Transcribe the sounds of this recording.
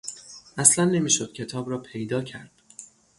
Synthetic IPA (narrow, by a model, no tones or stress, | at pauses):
ʔæslænːe̞miːʃod̪̥cʰe̞t̪ʰɒːbɾɒːpʰe̞jd̪ɒːcʰæɾd̪̥